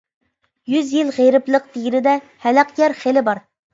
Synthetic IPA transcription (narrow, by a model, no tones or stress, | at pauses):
jyzjilˠʁejɾɨplˠəq̚t̪ʰeɡʲinɪd̪ɛ | hælɛqjʲɛɾχelɪbɑɾ